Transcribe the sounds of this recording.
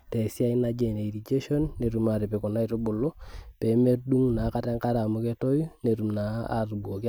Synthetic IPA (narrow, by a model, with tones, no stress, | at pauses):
te˨si˦a˦i˦na˦d͡ʒe˨ne˨i˨ɾi˨d͡ʒe˦ʃo˦nːe˨ɾu˨ma˨ɾi˨pe˨kɔ˨na˦i˦to˦bʊ˨lo˦pe˨˦me˦rdu˦ŋna˨˦ka˦tɛ˦ŋka˦ɾa˨mu˦ke˦to˦ju˦ne˨ɾu˨mna˨a̰˨ru˨buo˨ki˦